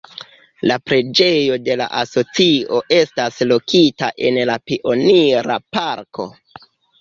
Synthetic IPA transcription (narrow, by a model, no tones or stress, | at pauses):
lapɾe̞d͡ʒe̞jo̞de̞la̰ʔaso̞t͡sio̞ʔe̞staslo̞kʰitaʔe̞nlapiʔo̞niɾa̰paɾkʰo̞̰